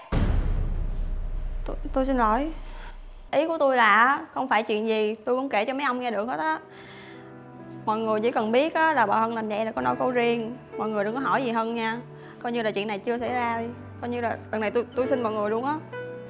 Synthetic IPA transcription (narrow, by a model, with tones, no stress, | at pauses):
t̪t̪o˧jsi˧nlɔ˧˩j | ʔi˨˦ku˧˩ət̪o˧jlaː˨˩ʔːxə˧wŋ͡mfaː˧˩jt͡ɕwḭ˧˨ənzi˨˩t̪u˧jkʊ̰˧˥wŋ͡mke˧˩t͡ɕɔ˧mə˨˦jʔə˧wŋ͡mŋɛ˧ɗɨ˨˩ək̚hə˦˥t̚ʔaː˨˦ | mɔ̰˧˨jŋɨ˨˩əjt͡ɕḭ˧˥˦kə˨˩nɓi˦˥ət̚ʔaː˨˦laː˨˩ɓa̰˨˩hə˧nlaː˨˩mzə̰˧˨jlaː˨˩kɔ˨˦nɔ˧˦jko˨˦zi˧ən | mɔ̰˧˨jŋɨ˨˩jɗɨ˧˩ŋkɔ˨˧˦ɦɔ˧˩jzi˨˩ɦəː˧nɲaː˧ | kɔ˧jɲɨ˧laː˨˩t͡ɕwḭ˧˨ənːa˨˩jt͡ɕɨ˧əsa̰˧˥zaː˧zi˨˧˩ | kɔ˧˦jɲɨ˧laː˨˩lə˨˩ŋnːa˨˩t̪u˧jt̪u˧jsi˧nmɔ̰˧˨ŋɨ˨˩əjɗʊ˧əŋʔaː˨˦